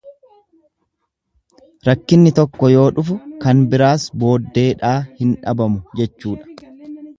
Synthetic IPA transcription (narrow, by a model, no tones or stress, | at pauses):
ɾɐkːɪnːɪt̪ɔkːɔjo̞ːᶑʊfʊkɐnbɪɾaːsbo̞ːd̪ːe̞ːᶑaːhɪnᶑɐbɐmʊd͡ʒɛt͡ʃːuːᶑɐ̥